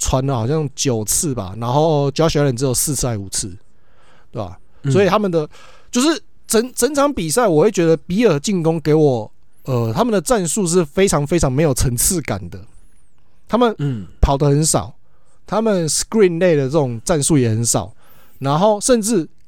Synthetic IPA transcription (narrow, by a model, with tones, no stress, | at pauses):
t͡sʰwa˧˦nlə˨xɑ˨˩ʊɕjɑ˥˧˩ŋt͡ɕjo˨˩ʊt͡s̩ʰ˥˩ba̰˨na˧˥nxo˥˩ʊt͡ɕjɕjɑ˧˥˦ɾə˨˩nt͡sɻ̩˧˥jo˨˩ʊs̩˥˧t͡s̩ʰ˥˩a˧˥ɪu˨˩t͡s̩ʰ˥˩˨ | t̪we˥˩a̰˨˩ | swɔ˧˥i˨˩t̪ʰa˥mə˨nd̪ə˨ | t͡ɕjo˥˧ʊʂɻ̩˥˩ | t͡sʰə˧˦˥ŋt͡sʰə˧˥ŋt͡sʰɑ˧˦ŋpi˨˩sa˥˩ɪwɔ˨˩we˥˩ɪt͡ɕɥɛ˧˦d̪ə˧pi˧˥ə˨˧˩t͡ɕi˥˩ŋkɔ˥ŋke˧˥ɪwɔ˨˩ | ə˨t̪ʰa˦˥mə˨nd̪ə˩t͡sa˥˧nsu˥˧ʂ̬ɻ̩˥˩fe˥ɪt͡sʰɑ˧˥ŋfe˥ɪʈ͡ʂʰɑ˧˦ŋme˧˥ɪjo˨˩ʊt͡sʰə˧˥ŋt͡s̩ʰ˥˨ka̰˨˩nd̪ə˦ | t̪ʰa˥mə˨npʰɑ˨˩ʊd̪ə˦xə˧˦nsɑ̰˨˩ʊ | t̪ʰa˦mə˨nskɹi˥˧nle˥˧ɪd̪ə˩t͡sə˥˩ʈ͡ʂʊ˨˩ŋt͡sa˥˧nsu˥˩jɛ˨˩hə˧˦nsɑ̰˨˩ʊ | na˧˥nxo˥˩ʊʂə˥˧nʈ͡ʂɻ̩˥˩